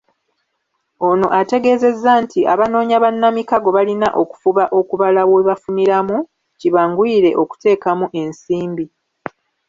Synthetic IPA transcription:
o̞no̞̰ʔate̞ɡe̞ːze̞zːantʰiʔa̰βano̞ːɲaβanːamikaɡo̞βalinaʔo̞ku̥fuβaʔo̞kuβalawe̞βafuniɾamu | ciβaːŋɡwiːɾe̞ʔo̞ku̥te̞ːkamuʔe̞nsiːmbi

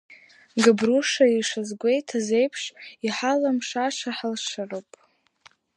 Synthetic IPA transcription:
ɡabruʂaiʂazɡʷe̞jtʰaze̞jpʰʂiħalamʂaʂaħalʂarowpʼ

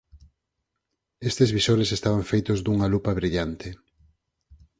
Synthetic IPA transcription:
est̪ezβisoɾesest̪aβaɱfejt̪ozd̪uŋalupɐβɾiʎant̪e

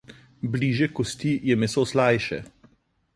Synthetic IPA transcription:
bliːʒjɛkɔst̪ijɛmɛsoslajʃɛ̰

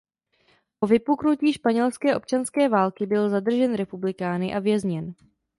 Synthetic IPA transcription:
po̞vɪpuknuciːʃpaɲɛlskɛːʔo̞p̚t͡ʃanskɛːvaːlkɪbɪlzad̪r̩ʒɛnɾɛpublɪkaːnɪʔavjɛzɲɛn

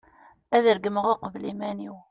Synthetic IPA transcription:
æðəɾɡəmʁoqvlimæniw

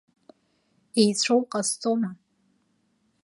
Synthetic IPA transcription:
ejt͡sʷʰowqʼast͡sʼoma

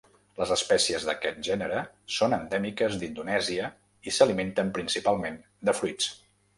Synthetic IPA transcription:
ləzəspɛsiəzðəkɛt̪̚ʒɛnəɾə | sonənd̪ɛmikəzd̪ind̪unɛziə | isəliment̪əmpɾinsipalˠmen | d̪əfɾuit͡s

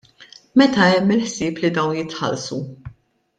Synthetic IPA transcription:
mɛt̪ɐɛmːɪlħsɪːplid̪ɐwnjɪt̪ħɐ̰lsu

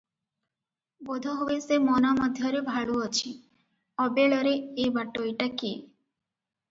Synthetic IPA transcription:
bod̪ʱɔɦobesemɔnamɔd̪ʱjɔɾebʱaɭuɔt͡ʃʰi | ɔbeɭɔɾeebaʈojʈakḛ

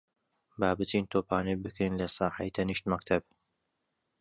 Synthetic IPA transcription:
baːbɨt̪int̪ʰoːpaːnɐjbɨkʰejnlɐsɑːħajt̪ʰɐniʃt̪mɐkt̪ʰɐb̚

